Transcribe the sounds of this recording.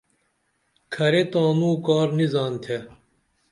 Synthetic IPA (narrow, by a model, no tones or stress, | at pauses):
kʰɐɾet̪aːnuːkaːɾnizaːnt̪ʰe